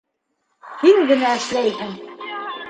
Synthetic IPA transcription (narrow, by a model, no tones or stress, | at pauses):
hiŋɡɘ̆næɘ̆ʃlæjhɘŋ